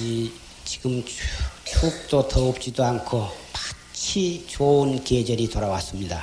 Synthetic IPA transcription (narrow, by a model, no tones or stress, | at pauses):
i | t͡ɕi̥ɡɯm | t͡ɕʰok̚t̪ot̪ʰəop̚t͡ɕid̪oaŋkʰopḁ | t͡ɕʰit͡ɕounked͡ʑəɾit̪ʰoɾawas͈ɯmɲida̰